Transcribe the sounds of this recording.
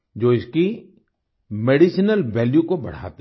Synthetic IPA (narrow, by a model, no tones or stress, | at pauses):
d͡ʒoːɪski | meːɽiʃnəlʋɛːljukobɐ̰ɽ̤a̰ːt̪